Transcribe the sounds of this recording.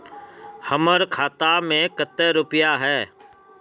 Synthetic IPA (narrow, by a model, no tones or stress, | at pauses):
həməɾkʰaːt̪amẽkət̪ːɛɾʊpɪjaɦɛː